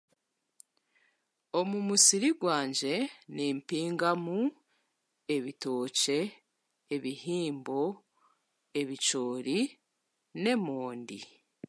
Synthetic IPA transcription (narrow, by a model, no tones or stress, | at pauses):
o̞mumusiɾiɡwaːɲɟe̞niːmpiːŋɡamu | e̞βito̞ːce̞ː | βihiːmbo̞ | e̞βit͡ʃo̞ːɾi | ne̞moːndḭ